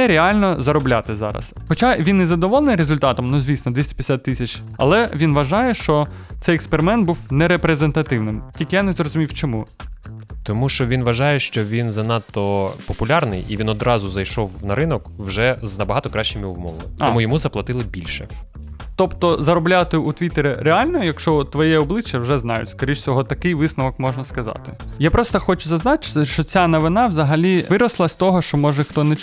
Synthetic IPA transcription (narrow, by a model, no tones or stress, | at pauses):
ɛɾʲeɑlʲnɔzɐɾɔblʲat̪ɪzɑ̰ɾɐ̰sxɔt͡ʃaʋʲinːɛzɐd̪ɔʋɔlˠenɪjɾezʊlʲt̪ɑt̪ɔmnuzʲʋʲisnɔd̪ʋʲisʲtʲi̥pʲjʲɛsʲat̪ːisʲɐt͡ʃɐ̰lˠɛʋʲinʋɐʒɑjɛʃt͡ʃɔt̪sɛjɛkspeɾɪmɛnt̪̚buwnɛɾepɾezent̪ɐt̪ɪwnɪmtʲilʲkɪjanɛzrɔzʊmʲiwt͡ʃɔmu | t̪ɔmuʃt͡ʃɔʋʲinʋɐʒɑjɛʃt͡ʃɔʋʲinzɐnɑt̪ːɔpɔpʊlʲɑrnɪjiʋʲinɔd̪ɾɑzʊzɐjʃɔwnɐɾɪnɔkwʒɛznɐbɐɦɑt̪ɔkɾɑʃt͡ʃɪmʲiwmɔʋɐ̰t̪ɔmujɔmuzɐplˠɐt̪ɪlˠɪbʲilʲʃɛ | t̪ɔpt̪ɔzɐɾɔblʲat̪ɪut̪ʋʲit̪eɾʲɛɾealʲnɔɔjɐkʃt͡ʃɔt̪ʋɔjɛɔblˠɪt͡ʃjɐwʒɛznɑjʊ̰tʲskɔɾʲiʃt͡sʲɔɦɔt̪ɐkɪjʋɪsnɐʋɔkmɔʒnɐskɐzɑ̰t̪ɪjapɾɔst̪ɐxɔt͡ʃʊzɐznɑt͡ʃɪ̥ʃt͡ʃɔt͡sʲanɔʋɪnɑʋzɐɦɐlʲiʋɪɾɐslˠɐsʲt̪ɔɦɔʃt͡ʃɔmɔʒɛxt̪ɔnɛ